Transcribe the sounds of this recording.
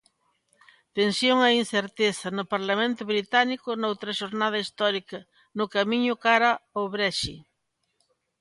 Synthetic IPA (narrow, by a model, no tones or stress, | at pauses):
t̪ensjoŋainθeɾt̪eθɐnʊpaɾlamẽnt̪ʊβɾit̪anikʊnowt̪ɾɐʃoɾnað̞ɐist̪ɔɾikɐ | nʊkamiɲʊkaɾaoβɾɛʃi